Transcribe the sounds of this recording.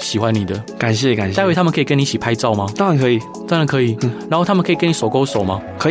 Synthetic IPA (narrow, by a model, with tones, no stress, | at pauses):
ɕi˨˩xwa˦nni˨˩d̪ə˦ka˨˩nɕjɛ˥˧ka˨˩na˥˧wt̪ʰa˥mə˨nkʰi˨˩kə˥ni˧˥˩t͡ɕi˨˩pʰa˥ɪt͡sɑ˥˨ʊma˦t̪ɑ˥a˧˦nkʰɤ˧˥i˨˩ | t͡sa˥˩nd̪ə˨˩kʰɤ˧˦˥i˨˩na˨˦nxo˥˩t̪ʰa˥mə˨nkʰi˨˩kə˥˦ni˨˩swɔ˨˩ko˥˦ʊso˨˩ʊma˦kʰə˧˥˨